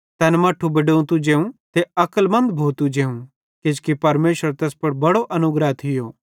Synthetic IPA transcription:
t̪ɛːnmaːʈʰubɐɖõũt̪ud͡ʒẽːũt̪eɐkəlmɐ̃nd̪bʱoːt̪ud͡ʒẽːũ | kɪd͡ʒkipɐɾmeːʃəɾt̪ɛːspɐɽbɐɽoʔɐnʊɡɾəɦt̪ʰɪjoː

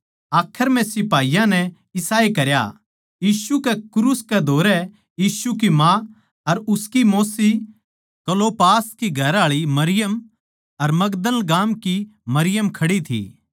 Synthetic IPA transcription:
aːkʰəɾm̤ɛ̃sɪpaːijãnɛ | ɪsaːekɐɾja̰ | jiːsukɛkɾuːskɛd̪ʱoːɾɛ | jiːsuk̬imã | ɐɾʊskimoːsi | kɐloːpaːskiɡʱɐɾaːɭimɐɾɪjəm | ɐɾmɐɡd̪əlɡaːmkimɐɾɪjəmkʰɐɽit̪ʰḭː

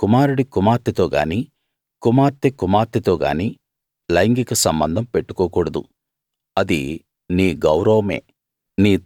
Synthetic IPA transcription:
kumaːɾuɽikumaːɾt̪it̪o̞ːɡa̰ːniː | kumaːɾt̪ikumaːɾt̪it̪o̞ːɡa̰ːniː | lɐjŋɡikɐsɐmbɐnd̪ʱɐmpeʈːu̥koːkuːɽɐd̪ṵ | ɐd̪ḭ | niːɡɐwɾɐʋɐme̞̰ː | niː

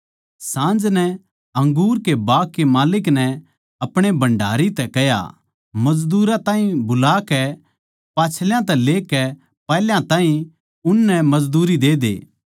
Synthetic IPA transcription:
sãːnd͡ʒnɛ | ɐ̃ŋɡuːɾkebaːkːemaːlɪk̬nɛ | ɐpɽ̃ebɐ̃ɳɖʱa̰ːɾit̪ɛkɛja̰ | mɐd͡ʒd̪uːɾãt̪ãːĩbʊlaːkɛ | paːt͡ʃʰljãt̪ɛleːkɛ | pɛːljãt̪aːĩ | ʊnːɛmɐd͡ʒd̪uːɾid̪eːd̪ḛː

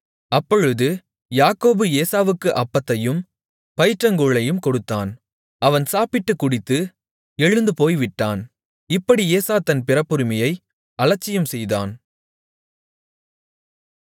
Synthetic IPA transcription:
ɐpːɔɻɯðɯ | jaːkoːbɯeːsaːʋɯkːɯʔɐpːɐt̪ːɐjɯm | pɐjɪʈrɐŋɡuːɭɐjɯmkɔɽɯt̪ːaːn | ɐʋɐnsaːpɪʈːɯkːʊɽɪt̪ːɯ | ɛɻɯnd̪ɯpoːjʋɪʈːaːn | ɪpːɐɽieːsaːt̪ɐnpɪɾɐpːɯɾɪmɐjɐɪ | ɐlɐt͡ʃːɪjɐmsɛjða̰ːn

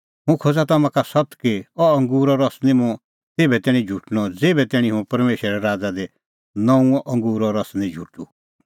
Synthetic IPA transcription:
ɦũkʰod͡zat̪ɐmãkasʌt̪kiɔɐ̃ŋɡuːɾɔɾɔsnĩmʊ̃ | t̪eːbɛt̪ɛːɽ̃ĩd͡ʒʱuʈnɔd͡zeːbɛt̪ɛːɽ̃ĩɦũpɐɾmeːʃɾɾɛɾaːd͡zad̪e | nɔ̃ũɔ̃ʔɐ̃ŋɡuːɾɔɾɐsnĩd͡ʒʱuʈu

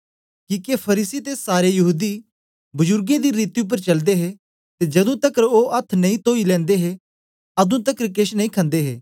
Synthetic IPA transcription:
kiːkepʰɐɾiːsit̪esaːɾejɐɦuːd̪i | bʊzʊɾɡẽd̪iɾiːt̪iʊp̬ːəɾt͡ʃɐld̪eɦeː | t̪ed͡ʒɐd̪ũt̪ɐkɾoːʔɐt̪ʰnɐĩt̪oːilɛ̃ːnd̪eɦe | ɐd̪ũt̪ɐkɾkɪʃnɐĩkʰɐ̃nd̪eːɦeː

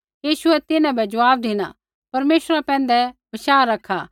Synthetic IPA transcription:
jiːʃʊɛt̪ɪnãbɛd͡ʒʊʋaːb̚d̪ɪna̰ | pɐɾmeːʃɾapɛ̃ːn̆d̪ɛbɐʃaːɾɐkʰːaː

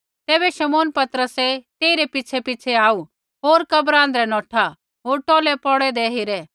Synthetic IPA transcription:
t̪ɛːbɛʃɐmoːnpɐt̪ɾəsɛt̪eːiɾepɪt͡sʰɛpɪt͡sʰɛaːu | ɦoːɾkɐbɾãːnd̪ɾɛnɔːʈʰa | ɦoːɾʈɔːlɛpɔɽɛd̪eɦeɾɛ

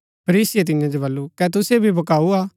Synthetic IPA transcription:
pʰɐɾiːsɪjet̪̬ɪ̃jãd͡ʒobɐlːukɛt̪̬ʊsebʱibʱɐkaːuaː

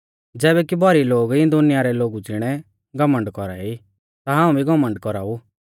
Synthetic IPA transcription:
d͡zɛːβɛkibɔɾiloːɡĩd̪ʊnɪjaːɾɛloːɡud͡zɪɽ̃ɛ | ɡɐmə̃ɳɖkɔɾa̰ːi | t̪aɦãːũbʱiɡɔmə̃ɳɖkɔɾaːu

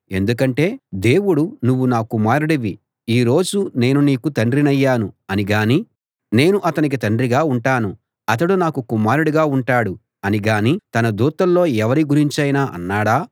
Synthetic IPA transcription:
e̞̰nd̪ukɐɳʈe̞ːd̪e̞ːwuɽunuʋːunaːkumaːɾuɽɐʋi | iːɾo̞ːd͡ʒune̞ːnuniːkut̪ɐɳɖɾinɐjːaːnuɐniɡaːniː | ne̞ːnuʔɐt̪ɐnik̬it̪ɐɳɖɾiɡaːuɳʈaːnu | ɐt̪̬ɐɽunaːkukumaːɾuɽiɡaːuɳʈaːɽu | ɐniɡaːniːt̪ɐnɐd̪uːt̪ɐlːo̞ːɛʋɐɾiɡuɾiɲt͡ʃɐjnaːʔɐ̰nːaːɽaː

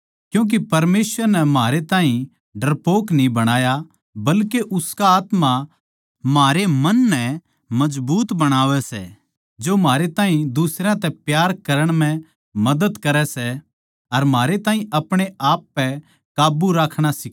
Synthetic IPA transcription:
kjũːk̬ipɐɾmeːsʋəɾnɛmɦaːɾet̪ãːɦĩ | ɖɐɾpoːknĩbɐɽ̃aːja | bɐlkeʔʊskaaːt̪ma | maːɾemɐnːɛ | mɐd͡ʒbuːt̪bɐɽ̃aːʋɛsɛ̰ː | d͡ʒomaːɾet̪ãːɦĩd̪usɾãt̪ɛpjaːɾkɐɾəɽ̃m̤ɛ̃ | mɐd̪əd̪kɐɾɛsɛ | ɐɾmɦaːɾet̪aːɦĩʔɐpɽ̃eʔaːpːɛ | kaːbuɾaːkʰɽ̃asɪ

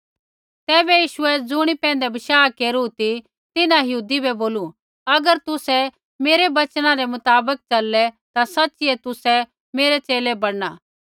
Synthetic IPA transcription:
t̪ɛːbɛjiːʃʊɛd͡zʊɽ̃ipɛ̃ːnd̪ɛbɐʃaːkeːɾut̪i | t̪ɪnãjɐɦuːd̪ibɛboːlu | ɐɡəɾt̪ʊsɛ | meːɾebɐt͡ʃñãɾɛmʊt̪aːbək̚t͡ʃɐlːɛ | t̪asɐtːt͡ʃiɛt̪ʊsɛ | meːɾet͡ʃeːlebɐɽnaː

